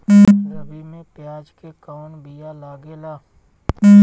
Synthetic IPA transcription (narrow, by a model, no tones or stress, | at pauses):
ɾəbimẽpjaːd͡ʒkekaːnbijalaːɡelaː